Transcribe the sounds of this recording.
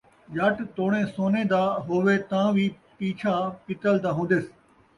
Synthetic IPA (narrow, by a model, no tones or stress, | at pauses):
d͡ʒɐʈt̪oːɽẽːsoːnẽːd̪aːɦoːʋeːt̪ãːʋiː | piːt͡ʃʰaːpɪt̪əld̪ãːɦũːnd̪eːs